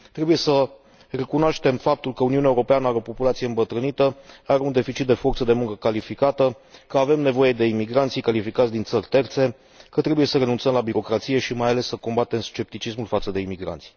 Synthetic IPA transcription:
t̪ɾe̞buje̞sə | re̞kunoaʃt̪e̞mfap̚t̪ulkəuniuneuɾo̞peanəaɾeopo̞pulat̪sije̞ɨmbət̪ɾɨnit̪əaɾeund̪e̞fit͡ʃit̪̚d̪e̞fo̞rt̪səd̪e̞muŋkəkalifikat̪ə | kəave̞mne̞vo̞je̞d̪e̞imiɡɾant̪sijkalifikat̪sʲd̪int̪sərʲt̪e̞rt̪se̞ | kət̪ɾe̞buje̞səɾe̞nunt̪səmlabiɾo̞kɾat̪sije̞ʃimajale̞sːəko̞mbat̪e̞mst͡ʃe̞p̚t̪it͡ʃismulfat̪səd̪e̞imiɡɾa̰nt̪si̥

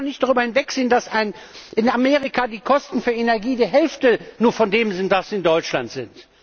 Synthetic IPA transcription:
nɪçtd̥aʁyːbɐhɪnvɛkz̥eːəndasaɪnʔɪnameːʁ̞ɪkadiːkʰɔstn̩fyːɐenɛɐɡiːdiːɐɦɛlftənuːɐfɔndeːmzɪntv̥asiɪndɔʏt͡ʃla̰ntz̥ɪ̰nt

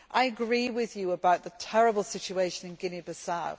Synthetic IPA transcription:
ʔaɪəɡɹiːwɪðjɨəbaʊʔ̪ðətʰɛɹəbəlˠsɪt͡ʃueɪʃə̃nɪ̃nɡɪnibəsaʊ

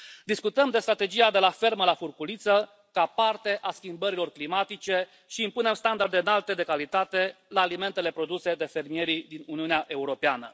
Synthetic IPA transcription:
d̪iskut̪əmd̪e̞st̪ɾat̪e̞d͡ʒiad̪e̞lafe̞rməlafurkulit̪sə | kapart̪e̞ʔaskʲimbəɾilo̞rklimat̪it͡ʃe̞ | ʃiːmpune̞mst̪and̪ard̪eɨnalt̪e̞d̪e̞kalit̪at̪e̞laːlime̞nt̪e̞le̞pɾo̞d̪use̞d̪e̞fe̞rmije̞ɾid̪inuniuneaʔe̞uɾo̞peanə̰

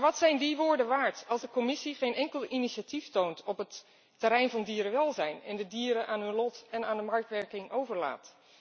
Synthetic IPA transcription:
ʋɑtsɛjndiʋʊːɹdəʋaːɹtɑlˠzdəkɔmɪsiχejnɛŋkəlˠiniʃatiftowntʰɔpətː | əɾɛjnvɑndiːɾəʋɛlˠzɛjnɛ̰ndədiːɾəʔaːnɦɵnlɔtɛnaːndəmɑɹk̚tʋɛɹkɪŋowvəɹla̰ːt

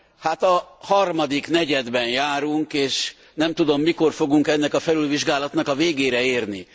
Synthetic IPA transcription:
hat̪ɒhɒrmɒd̪ikn̪ɛɟɛd̪bɛnjaːɾuŋkeːʃ | nɛmt̪ud̪o̞mːiko̞rfo̞ɡuŋkɛnːɛkɒfɛlylviʒɡaːlɒt̪nɒkɒveːɡeːɾɛeːrnḭ

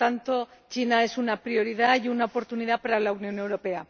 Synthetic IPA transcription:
t̪ant̪o̞t͡ʃinae̞sunapɾjo̞ɾiðajunaopo̞ɾt̪uniðapaɾalaunjõ̞ne̞wɾo̞pe̞a

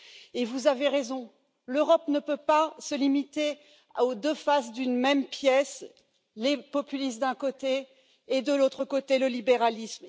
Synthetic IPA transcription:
evuzaveʁezɔ̃ | løʁɔpnəpøpasəlimit̪e | od̪əfasd̪ynmɛmpjɛs | lepɔpylisd̪ɛ̃kot̪eː | d̪əlot̪χəkot̪eləlibeʁalism

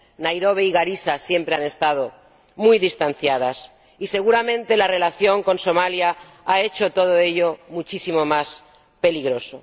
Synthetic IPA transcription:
najɾo̞β̞eiɣaɾisasje̞mpɾe̞ane̞st̪að̞o̞ | mujðist̪an̟θjað̞as | ise̞ɣuɾamẽ̞nt̪e̞lare̞laθjo̞ŋko̞nso̞malja | ae̞t͡ʃo̞t̪o̞ð̞o̞e̞ʎomut͡ʃisimo̞mas | pe̞liɣɾo̞so̞

